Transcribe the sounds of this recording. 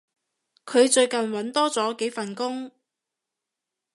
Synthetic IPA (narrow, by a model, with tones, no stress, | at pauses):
kʰɵ˨˧ɥt͡ʃɵ˧ɥkɐ˨nwɐ˨˥nt̪ɔː˥t͡sɔː˨˥ke˨˥fɐ˨nkʊ˥ŋ